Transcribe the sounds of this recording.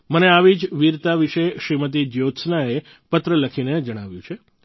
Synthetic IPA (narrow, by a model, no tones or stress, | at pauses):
məneaʋid͡ʒʋiɾt̪aʋiʃeʃɾimət̪̬id͡ʒjot̪snae | pət̪ɾələkʰined͡ʒəɽ̃aʋjũt͡ʃʰe